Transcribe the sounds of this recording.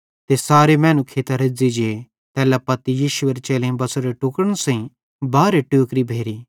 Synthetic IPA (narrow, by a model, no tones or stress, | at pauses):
t̪esaːɾemɛ̃ːnũkʰeːt̪aɾɪd͡zid͡ʒe | t̪ɛːlapɐt̪ijiːʃʊəɾt͡ʃeːlẽĩbɐsoɾeʈukəɽ̃sɐ̃ĩ | baːɾeʈuːkɾibʱeːɾiː